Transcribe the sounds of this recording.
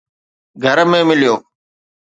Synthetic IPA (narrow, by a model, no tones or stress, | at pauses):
ɡʱəɾmẽːmɪljoː